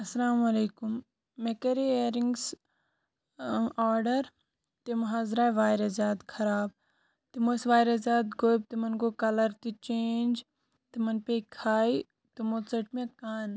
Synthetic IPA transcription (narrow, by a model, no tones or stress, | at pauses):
ɐsɐlaːmɐleːkumː | ekɐɾeeːɾiŋɡs | aːɾɖɐɾ | t̪emɐɦaːzɾaːʋaːjɾɐzaːd̪kʰɐɾaːb̚ | t̪imoːsʋaːjɾɐzaːd̪ɡoːjb̚t̪imɐnɡoːkɐlɐɾt̪it͡ʃeːnd͡ʒ | t̪imɐnpekʰaːi | t̪imot̪t͡sɐʈmiɐt̪̚kaːn